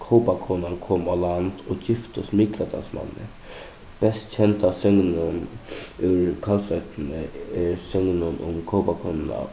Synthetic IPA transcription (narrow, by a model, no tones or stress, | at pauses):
kʰoʊpakʰonankʰɔːmaland̪̥ɔd͡ʑɪft̪ʊsmɪklat̪ʰa̰nsma̰nːə̰ | b̥ɛst̪t͡ɕɛnt̪asʏŋnʊnʉɾkʰalsœt̪nəɛɾsʏŋnʊnʊ̰mkʰɔʊpakʰoːnna̰